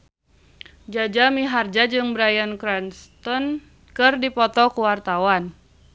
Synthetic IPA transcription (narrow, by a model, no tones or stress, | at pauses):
d͡ʒad͡ʒamiɦard͡ʒad͡ʒɨŋbɾajankɾɛnst̪ɔn | kɨrdipɔt̪ɔkuwart̪awan